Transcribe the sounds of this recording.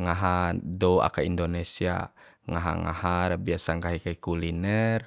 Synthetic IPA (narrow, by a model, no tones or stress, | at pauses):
ŋaɦadɔua̰kaindonɛsia̰ | ŋaɦa̰ŋa̰haɾabiasaŋɡaɦikaikulinɛr